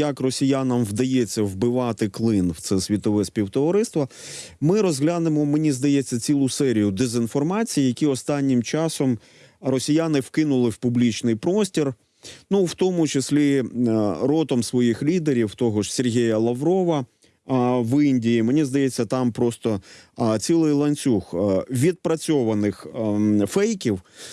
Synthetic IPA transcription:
jɐkrɔsʲijanɐmwd̪ɐjet͡sʲːɐwbɪʋɑt̪ɪklˠɪnwt̪sɛsʲʋʲit̪ɔʋɛsʲpʲiwt̪ɔʋɐɾɪst̪ʋɐ | mɪɾɔzɦlʲanɪmɔmenʲizd̪ɐjet͡sʲːɐt͡sʲilˠʊsɛɾʲijʊd̪ezɪnfɔrmɑt͡sʲijijɐkʲiɔst̪ɑnʲːɪmt͡ʃɑsɔm | ɾɔsʲijanɪwkɪnʊlˠɪwpʊblʲit͡ʃnɪjpɾɔsʲtʲir | nuwt̪ɔmʊt͡ʃɪsʲlʲi | ɾɔt̪ɔmsʋɔjixlʲid̪eɾʲiwt̪ɔɦɔʒsʲerɦʲijɐlˠɐʋɾɔʋɐ | ʋɪnʲdʲijimenʲizd̪ɐjet͡sʲːɐt̪ɑmpɾɔst̪ɔt͡sʲilˠɪjlˠɐnʲt͡sʲuxʋʲid̪̚pɾɐt͡sʲɔʋɐnɪxfɛjkʲiw

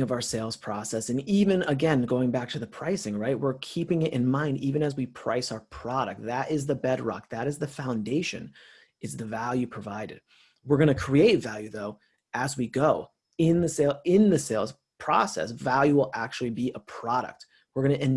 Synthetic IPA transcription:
ŋʌvaʊə˞seɪlˠz̥pʰɹ̥ɔsɛsɨ̃nivɨ̃nəɡɛ̃nɡoʊɪ̃ŋbæk̚tʰɨðɨpʰɹ̥aɪsɪ̃ŋɹaɪt̚wɪɹkʰipɪ̃ŋɪɾʔɨ̰̃nmãɪ̃ndivɨ̃ñɨzwipʰɹ̥a̰ɪsaʊə˞pʰɹ̥ɑɾɨ̰k̚t̚ðɨɾɪzðɨbɛd̚ɹɑ̰k̚ðɨɾɨzðɨfãʊ̃ndeɪʃɨ̰̃n | ɨzðɨvælˠjʉpʰɹ̥əvaɪɾɨ̰d̥̚ | wɨɹɡʌñɨkʰɹ̥ieɪtvælˠjʉðoʊ | ʔɨzwiɡoʊ | ɪ̃nðɨseɪlˠɪ̃nðɨseɪlˠz̥ | pʰɹ̥ɔ̰sɛ̰svælˠjʉwəlˠæk̚t͡ʃul̩ˠibiʔəpʰɹ̥ɑɾɨ̰k̚t̚ | wəɹɡʌñɨɨ̃n

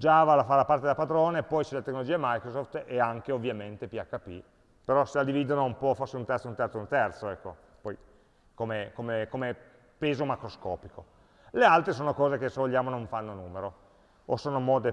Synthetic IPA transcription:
d͡ʒavalafalapart̪ed̪apad̪ɾoːnepɔjt͡ʃɛlat̪ekːnolod͡ʒiːaimajkɾosoft̪ɛaŋkeovːjament̪epiakːapːḭ | peɾɔselad̪iviːd̪onoumpɔforseunt̪ɛrt̪sount̪ɛrt̪ount̪ɛrt̪soɛkːo | pɔj | komekomekome | peːzomakɾoskɔːpiko | lealt̪ɾesoːnokɔːzekesevoʎːjaːmonõɱfanːonuːmeɾo | osoːnomɔːd̪e

